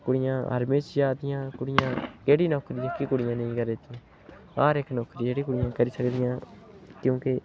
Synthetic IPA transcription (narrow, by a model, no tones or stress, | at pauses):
kʊɽɪjãːə̰ɾmẽːt͡ʃjaːd̪ɪjãːkʊɽɪjãːkeːɽiːnɔːkɾiːɪkikʊɽɪjãːnəĩːkəɾeːt͡ʃː | aːɾekːnɔːkɾiːd͡ʒeːɽiːkʊɽɪjãːkəɾiːsəkd̪ɪjãː | kjũːke